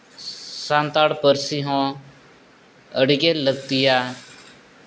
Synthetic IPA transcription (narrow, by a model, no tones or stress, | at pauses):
sãnt̪aːɽpəɾsiɦɔ̃ː | əɽiɡeləɡ̚t̪ijaː